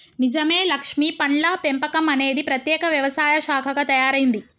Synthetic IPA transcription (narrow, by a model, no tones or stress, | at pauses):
nid͡ʒɐme̞ːlɐkʂmipɐɳlɐpempɐkɐmɐne̞ːd̪ipɾɐt̪jɛːkɐʋjɐʋɐsaːjɐʃaːkʰɐɡɐt̪ɐjaːɾɐjind̪i